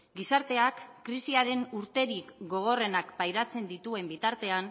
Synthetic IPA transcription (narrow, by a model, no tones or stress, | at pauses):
ɡisaɾt̪e̞akːɾisiaɾe̞nuɾt̪e̞ɾikɡo̞ɣ̞o̞re̞nakpajɾat͡se̞nd̪it̪ue̞mbit̪aɾt̪e̞an